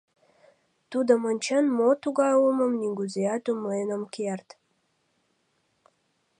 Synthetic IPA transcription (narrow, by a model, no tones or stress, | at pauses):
t̪ud̪ə̆mənʲt͡ɕənmot̪uɡɑjlumə̆mnʲiɡuzeɑt̪umlenə̆mkert̪